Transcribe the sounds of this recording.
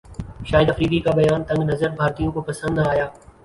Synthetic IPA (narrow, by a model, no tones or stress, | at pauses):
ʃaːɪəd̪ɐfɾiːkikabɐjaːnt̪ɐ̃ŋɡnɐzəɾbʱaːɾt̪ijõkopɐsə̃nd̪aːɦjaː